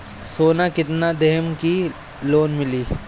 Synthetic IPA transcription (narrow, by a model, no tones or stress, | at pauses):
soːnakɪt̪nad̪ɛɦəmki | loːnmɪliː